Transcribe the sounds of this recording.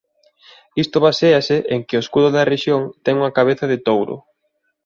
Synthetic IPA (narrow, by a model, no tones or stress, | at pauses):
ist̪oβaseasɪʔeŋkɪoeskuðʊðɐreʃjoŋt̪ɛŋuŋɐkaβ̞eθaðɪt̪owɾo̰